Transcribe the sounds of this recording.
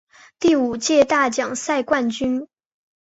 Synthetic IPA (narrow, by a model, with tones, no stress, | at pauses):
t̪i˥˩u˨˩t͡ɕjɛ˥˧t̪a˥˩t͡ɕjɑ˨˩ŋsa˥˧ɪkwa˥˩nt͡ɕy˥n